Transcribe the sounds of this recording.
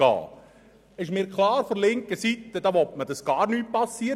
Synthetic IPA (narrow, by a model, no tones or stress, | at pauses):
ɑ̰ː | ɪʃmiːɾkʰlɑːɾfoɾlɪŋkəsit̪ədɑʋɔtmədɑsɡ̥ɑːɾnyːpɑsːiə